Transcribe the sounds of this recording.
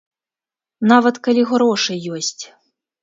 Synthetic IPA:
navɐt̪kɐlʲiɣɾɔʂɨːɔsʲt͡sʲ

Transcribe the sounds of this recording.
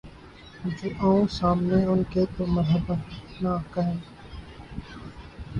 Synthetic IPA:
d͡ʒeʔãũsaːmneʊnket̪oməɾɦəbənaːkəɦẽː

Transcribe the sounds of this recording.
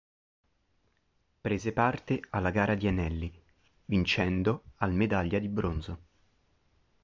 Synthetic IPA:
pɾeːzepart̪ealːaɡaːɾad̪ianɛlːi | vint͡ʃɛnd̪oalmed̪aʎːad̪ibɾonzo

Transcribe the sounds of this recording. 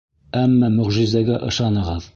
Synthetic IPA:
æmːæmɵ̆ʁʒizd̪æɡæʔɤ̆ʃɑnɤ̆ʁɤð

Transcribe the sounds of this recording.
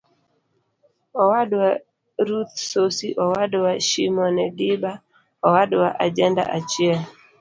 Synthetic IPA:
ɔwadwa | ɾut̪sosiʔɔwadwaʃimɔnɛdiba | ɔwadwaʔad͡ʒɛnda̰ʔat͡ʃjɛl

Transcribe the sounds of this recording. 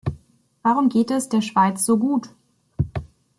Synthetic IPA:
v̥aːʁʊmɡeːtɛsd̥eːɐʃv̥aɪt͡sz̥oːɡuːt

